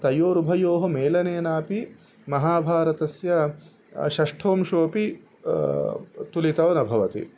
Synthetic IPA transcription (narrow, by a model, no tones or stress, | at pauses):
t̪ɐjoːɾubʱɐjoːɦɐmeːlɐneːnaːpi | mɐɦaːbʱaːɾɐt̪ɐsjɐ | ʃɐʂʈʰoːmʃoːpi | t̪ulit̪ɐʋnɐbʱɐʋɐt̪ḭ